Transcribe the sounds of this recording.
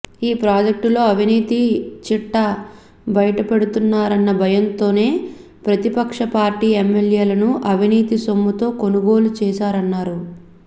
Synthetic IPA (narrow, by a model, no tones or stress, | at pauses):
iːpɾaːd͡ʒek̚ʈulo̞ːɐʋiniːt̪it͡ʃiʈːɐ | bɐjɐʈɐpɐɽut̪unːaːɾɐnːɐbʱɐjɐnt̪o̞ːne̞ː | pɾɐt̪ipɐkʂɐpaːɾʈiːemːeljeːlɐnuʔɐʋiniːt̪iso̞mːut̪o̞ːko̞nuɡo̞ːlut͡ʃɛːʃaːɾɐnːaːɾu